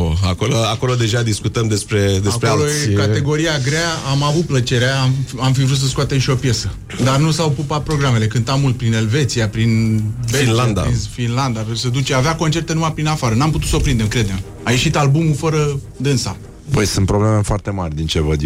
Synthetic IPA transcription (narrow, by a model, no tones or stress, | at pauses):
oakoloako̞lod̪e̞ʒad̪iskut̪əmd̪e̞spɾe̞d̪eakpɾeolojekat̪e̞ɡo̞ɾiaɡɾeaamavut̪̚plət͡ʃe̞ɾeaamamfivɾut̪səskuoat̪emʃio̞pje̞sə | d̪arnusawpupat̪̚pɾoɡɾame̞le̞kɨnt̪amult̪̚pɾine̞lve̞t̪sijapɾinveinland̪a̰infinland̪at̪ɾebusəd̪ut͡ʃeaveako̞nt͡ʃe̞rt̪e̞numajpɾinafaɾənamput̪ut̪so̞pɾind̪e̞mkɾe̞d̪e̞m | aje̞ʃit̪albumufəɾə | d̪ɨnsa̰ | pəjsɨnt̪pɾoblemefoart̪e̞marʲd̪int͡ʃevəd̪